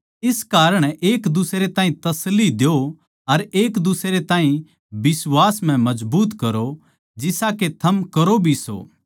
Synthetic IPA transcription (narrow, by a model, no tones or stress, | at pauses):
ɪskaːɾəɽ̃eːkd̪ʊsɾet̪ãːɦĩt̪ɐslːid̪eo | ɐɾeːkd̪ʊsɾet̪ãːĩ | bɪswaːsm̤ɛ̃mɐd͡ʒbuːt̪kɐɾo | d͡ʒɪsaket̪ʰɐmkɐɾobʱiso̰ː